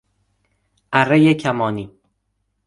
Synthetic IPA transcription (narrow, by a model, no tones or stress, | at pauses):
ʔærejecʰæmɒːniː